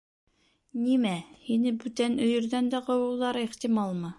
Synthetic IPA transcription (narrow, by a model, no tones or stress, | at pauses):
nimæhinɘbʉt̪ænɵ̆jɵ̆ɾðænd̪æqŏwɤ̆wlˠɑɾɤeχt̪imɑlˠmɤ